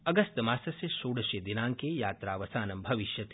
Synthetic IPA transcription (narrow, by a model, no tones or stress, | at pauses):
ɐɡɐst̪maːsɐsesoːɽɐʃed̪inaːŋkejaːt̪ɾaːʋɐsaːnɐmbʱɐʋɪʃjɐt̪